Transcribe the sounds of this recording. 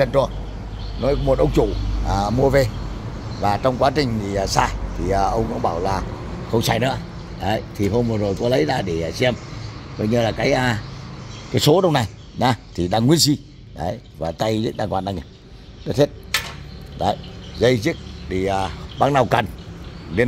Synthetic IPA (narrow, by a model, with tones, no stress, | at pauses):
ə˧˩nt̪u˧ə | nɔ˨˦jkm˨˩t̚ʔə˧wŋ͡mt͡ɕu˧˩˨mu˧əve˧ | vaː˨˩t͡ɕɔ˧wŋ͡mkwaː˨˦t͡ɕï˨˩ŋ̟ziː˨˩˨saː˧t̪ʰi˨˩ʔəː˨˩ʔə˧wŋ͡mkʊ̰˧˥ŋ͡mɓaː˧˩wlaː˨˩ | xə˧wŋ͡msaː˧jnɨ̰˧˥ə | ɗə˨˦jt̪ʰi˨˩ɦo˧mvɨ˨˩zo˨˩jkɔ˨˦lə˨˦jlaː˧˨˩ɗe˧˩˨si˧ɛ˧mzə˧˩jɲɨ˧laː˨˩kaː˨˦jʔaː˧˩ | kaː˨˦jso˨˦ɗə˧wŋ͡mna˨˩j | na˨˦t̪ʰi˨˩ɗaː˧ŋwi˧ənsi˧ | ɗə˨˦jvaː˨˩t̪a˧jzḭ˦˥k̚ɗaː˧ŋkwaː˧˨nɗaː˧˩ŋ˨˩ | ɗɨ˦˥t̚he˦˥t̚ | ɗə̰˨˦jzə˧jzi˦˥k̚ɗi˨˩ʔa˨˩ɓaː˧˥ŋna˨˩wka˨˩nɗe˧